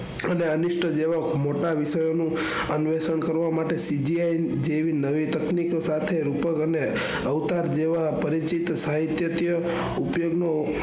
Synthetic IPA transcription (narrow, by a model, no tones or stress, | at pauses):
əneənɪʃʈʰəd͡ʒeʋamoʈaʋɪʃəjonũ | ənʋesəɳkəɾʋamaʈesid͡ʒiajd͡ʒeʋinəʋit̪əkniksat̪ʰeɾupəkəne | əʋt̪aɾd͡ʒeʋapəɾit͡ʃit̪saɦit̪jət̪jə | upjoɡno